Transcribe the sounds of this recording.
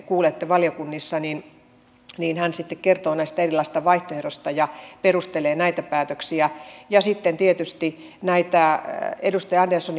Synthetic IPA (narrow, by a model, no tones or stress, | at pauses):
kuːlet̪ːeʋɑlijokunːisːɑnin | niːnhænsit̪ːekkert̪oːnæist̪æerilːˑɑˑist̪ɑʋɑiht̪oerost̪ɑjɑperust̪eleːnæit̪æpæːt̪øksiæjɑsit̪ːent̪iet̪yst̪inæit̪æedust̪ɑjɑɑndelsoni